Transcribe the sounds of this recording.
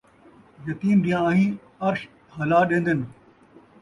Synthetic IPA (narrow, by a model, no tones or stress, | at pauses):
jɐt̪iːmɗ̪ijãːɦĩː | ɐɾʃ | hɐlaːɗẽːnd̪en